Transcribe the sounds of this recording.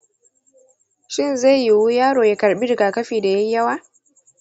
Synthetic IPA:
ʃɪ˦nza˦jji˨wu˦jaː˦ɾoː˨ja˨kɐ˨ɾɓi˦ɾɡa˨kɐ˦fiː˨da˨jɛ˦jjːɐ˦wa˦

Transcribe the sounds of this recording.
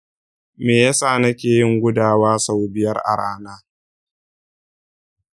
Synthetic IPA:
meː˨ja˦saː˦˨nɐ˦kʲeː˨jɪ˦˨ŋɡʷʊ˦daː˨waː˦sa˦wbɪ˨jɐ˦rʔa̰˨ɽaː˦naː˦

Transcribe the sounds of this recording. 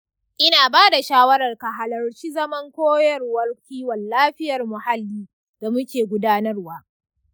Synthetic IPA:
ʔɪ˦naː˨baː˦da˨ʃaː˦wɐ˦ɾɐ˨rka˨ɦa˨lɐ˨rt͡ʃi˦zɐ˦mɐ˦ŋkʷoː˦jɐ˨rwɐ˦rkʲiː˦wɐ˨nːaː˦ɸɪ˦jɐ˨rmʊ˨ha˦lːiː˦ | d̥a˨mʊ˦kʲeː˨ɡʷʊ˦daː˦nɐ˦rwaː˦

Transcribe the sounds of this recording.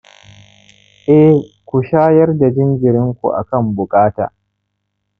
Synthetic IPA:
ʔɛ˦hkʷu˨ʃaː˦jɐ˦rda˨d͡ʒɪ˦nd͡ʒɪ˨ɾɪ˦ŋkʷṵ˨ʔa̰˨kɐ˦˨mbʊ˨kʼaː˦ta̰ː˨

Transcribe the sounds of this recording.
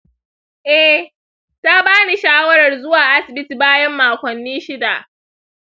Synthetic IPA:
ʔɛ˦h | ta˦baː˦ni˨ʃaː˦wɐ˦ɾɐ˨rzʊ˦waː˨ʔa˦sɪ˨bɪ˦ti˨baː˦jɐ˦mːaː˨kʷɐ˨nːiː˦ʃɪ˦da˨ʔ

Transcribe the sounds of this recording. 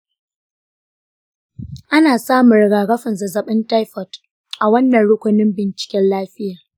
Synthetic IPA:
ʔa˦naː˨saː˦mʊ˨ɾɡaː˨ɡɐ˦ɸɪ˨nzɐ˨zɐ˨ɓɪ˦nta˦jɸɔ˨t | ʔa˨wɐ˦nːɐ˨nɽʊ˦kʷʊ˨nɪ˦mbɪ˨nt͡ʃɪ̥˨kʲɛ˦nlaː˦ɸɪ˦jaː˨

